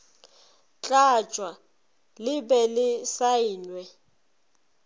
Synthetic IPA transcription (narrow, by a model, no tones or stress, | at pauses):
t͡ɬʼat͡ʃʼwa | lɪbɛlɪsaiːnwɛ